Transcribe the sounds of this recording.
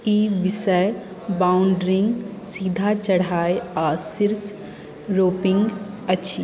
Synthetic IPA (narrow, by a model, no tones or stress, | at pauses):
iːbɪsəj | baːʊɳɖɾɪ̃ŋɡsiːd̪ʱat͡ʃɐɽ̤aːeɔːsɪɾs | ɾoːpɪ̃ŋɡ | ɐtːʃʰi